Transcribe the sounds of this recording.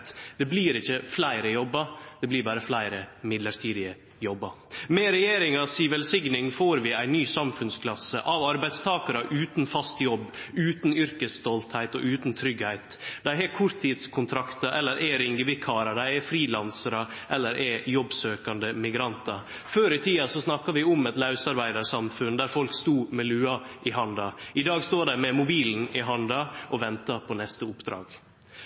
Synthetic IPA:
t̪d̪̥ɛbliːɾɪçəflæɪɾəjɔbːɑd̪̥ɛbliːbɑːɾəflæɪɾəmɪd̪ləɾʈʰiːd̪ɪə | jɔbːɑ | mɛɾɛjeːɾɪŋɑsiːʋɛlsɪɡnɪŋfoːɾʋɪæɪnyːsɑmfʉnskʰlɑsːə̰ʔɑʋɑɾbæɪd̪st̪ʰɑːkɑɾəʔʉːt̪nfɑst̪jɔbːʉːt̪nʏɾkəst̪ɔlt̪hæɪt̪ɔ̰ʔʉːt̪n̩t̪ʰɾʏɡhæɪt̪d̪æɪɛkʰʊɾt̪ʰːiːd̪skʰʊnt̪ʰɾɑkt̪ɑʔɛlːəɾʔɛɾɪŋɡəbɪkʰɑːɾɑd̪æɪɛfɾiːlɑnsəɾɑ | ʔɛlːəɾʔɛjɔbsøːkɑnd̪əmɪɡɾɑnt̪ɑ | føːɾɪt̪ʰiːɑsɔsnɑkːɑʋɪʊmɛt̪lɑʉsɑɾbæɪd̪ɑɾsɑmfʉnd̪æɾfɔlkst̪uːmɛlʉːɑʔɪɦɑnd̪ɑɪd̪ɑːɡst̪oːɖæɾmɛmʊbiːln̩ɪɦɑnd̪ɑʔɔʋɛnt̪ɑpʰɔnɛst̪əʊpd̪ɾɑ̰ːɡ̥

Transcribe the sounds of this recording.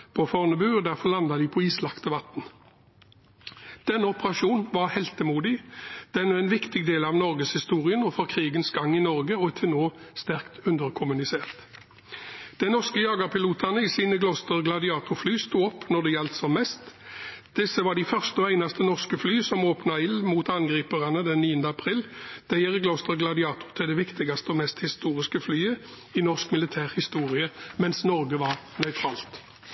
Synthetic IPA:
pʰoːfɔʁnəbyːɔd̪æʁfɔʁlɑnd̪ɑd̪ɪːpʰɔiːslɑkt̪əʋɑt̪n̩ | d̪̥ɛnːəɔpəʁɑʃuːnʋɑʁhɛlt̪əmuːd̪ɪd̪̥ɛnːəæɪnʋɪkt̪ɪɡd̪eːlɑʋnɔʁɡəshɪst̪uːʁɪənɔfɔʁkʰʁiːɡənsɡɑŋːɪnɔʁɡəɔɛt̪ʰɪnoːst̪æʁkt̪ʉnd̪əʁkʰʊmʉnɪseːʁt̪ | d̪̥ɛnɔʁskəjɑːɡɑʁpʰɪluːt̪ʰɑnəisiːnəɡlɔst̪əʁɡlɑd̪ɪɑːt̪ʊflyːst̪uːɔpːnɔd̪ɛjɛlt̪sɔmːɛst̪d̪̥ɪsəʋɑʁɖɪfœʁst̪əɔæɪnɑst̪ənɔʁskəflyːsɔmoːpnɑɪlmuːt̪ɑnɡʁiːpəʁɑnəd̪ɛnniːənd̪əɑpʰʁiːld̪̥æɪəʁəɡlost̪əʁɡlɑd̪ɪɑːt̪ʊt̪ʰɪld̪ɛʋɪkt̪ɪɡɑst̪əɔmɛst̪hɪst̪uːʁɪskəflyːə | ɪnɔʁskmɪlɪt̪ʰæːʁhɪst̪uːʁɪəmɛnsnɔʁɡəʋɑʁnœʏt̪ʰʁɑ̰ːlt̪

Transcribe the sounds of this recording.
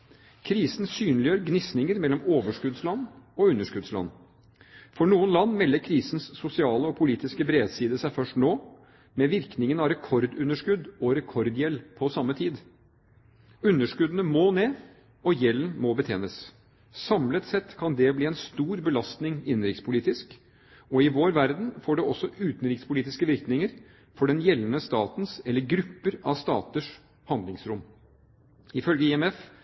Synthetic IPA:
kʰɾiːsn̩syːnlɪjøːɾəɡnɪsnɪŋəɾmɛlːɔmoːʋəʂkʉd̪slɑnːɔʉnːəʂkʉd̪slɑ̰n | fɔɳuːənlɑnːmɛlːəɾkʰɾiːsnsːʊsɪɑːləɔpʰʊliːt̪ɪskəbɾeːd̪siːd̪əsæɪfœʂʈnoː | mɛʋɪɾknɪŋənɑɾɛkʰɔɾd̪ʉnːəʂkʉd̪ɔɾɛkʰɔɾd̪jɛlːpʰɔsɑmːət̪ʰiːd̪ | ʉnːəʂkʉd̪ənəmoneː | ɔjɛlːənmɔbət̪ʰeːnəs | sɑmlət̪sɛt̪kʰɑnd̪ɛbliːɛnst̪uːɾbəlɑst̪nɪŋɪnːɾɪkspʰʊliːt̪ɪsk | ɔɪʋoːɾʋæɾd̪n̩foːɖɛɔsːɔʔʉːt̪nɾɪkspʊliːt̪ɪskəʋɪɾknɪŋəɾ | fɔɖɛnjɛlːənəst̪ɑːt̪nsɛlːəɾɡɾʉpːəɾɑ̰ʋst̪ɑːt̪əʂ | hɑnd̪lɪŋsɾʊm | ɪfœlɡəɪɛmɛf

